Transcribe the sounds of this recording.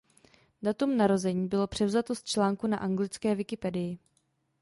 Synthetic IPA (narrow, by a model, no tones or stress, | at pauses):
dat̪umnaɾo̞zɛɲiːbɪlo̞pr̥ɛvzat̪o̞st̪̚t͡ʃlaːŋkunaʔaŋɡlɪt͡skɛːvɪkɪpɛdɪjɪ